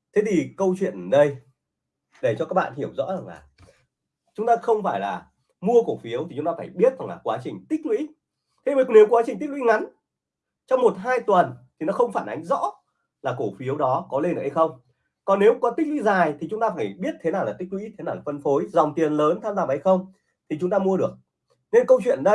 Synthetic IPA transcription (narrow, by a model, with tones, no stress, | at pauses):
t̪ʰe˨˦t̪ʰi˨˩kə˧wt͡ɕwḭ˧˨ənə˨˩ɗə˧j | ɗe˧˨˩t͡ɕɔ˧kaː˦˥k̚ɓa̰ː˧˨nhi˧˩əwzɔ̰˧˥za˨˩ŋla̰ː˨˩ | t͡ɕʊ˨˦ŋ͡mt̪aː˧xə˧wŋ͡mfaː˧˩jlaː˨˩ | mu˧əko˧˩fi˨˦əwt̪i˨˩ʊ˨˦ŋ͡mt̪aː˧faː˧˩jɓi˦˥ət̚za˨˩ŋlaː˨˩kwaː˨˦t͡ɕï˨˩ŋ̟t̪i˦˥k̚lwḭ˧˥ | t̪ʰe˨˦ə˨˩ne˨˦wkwaː˨˦t͡ɕï˨˩ŋ̟t̪i˦˥k̚lwḭ˧˥ŋa˨˦n | t͡ɕɔ˧wŋ͡mmo˨˩t̚ɦaː˧jt̪wə˨˩nt̪ʰi˨˩nɔ˨˦xə˧wŋ͡mfaː˧˩nʔa˨˦ŋ̟zɔ̰˧˥ | laː˨˩ko˧˩fi˨˦əwɗɔ˨˦kɔ˨˦le˧nʔəː˧˩ha˧jxə˧wŋ͡m | kɔ˨˩nːe˨˦wkɔ˨˦t̪i˦˥k̚lwḭ˧˥zaː˨˩jt̪ʰi˨˩t͡ɕʊ˨˦ŋ͡mt̪aː˧faː˧˩jɓi˦˥ət̚t̪ʰe˨˦naː˨wlaː˨˩t̪ï˦˥k̚lwḭ˧˥t̪ʰe˨˦aː˨˩wlaː˨˩fə˧nfo˨˦jzɔ˨˩wŋ͡mt̪i˨˩ənləː˨˦nt̪ʰaː˧mzaː˧mə˨˩ha˧jxə˧wŋ͡m | t̪ʰi˨˩t͡ɕʊ˨˦ŋ͡mt̪aː˧mu˧əɗɨ˨˩ək̚ | ne˧nkə˧wt͡ɕwḭ˧˨ənɗə˧